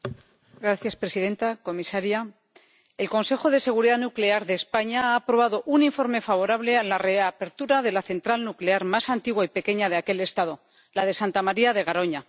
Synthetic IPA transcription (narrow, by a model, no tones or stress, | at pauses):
ɡɾaθjaspɾe̞sið̞e̞nt̪ako̞misaɾja | e̞lko̞nse̞xo̞ðe̞se̞ɣ̞uɾiðanukle̞aɾðe̞ːspaɲaaːpɾoβ̞aðo̞ʔuniɱfo̞ɾme̞faβ̞o̞ɾaβ̞le̞alare̞ape̞ɾt̪uɾaðe̞laθe̞nt̪ɾalnukle̞aɾmasant̪iɣwaipe̞ke̞ɲað̞eake̞le̞st̪að̞o̞ | lað̞e̞sant̪amaɾiaðe̞ɣ̞aɾo̞ɲa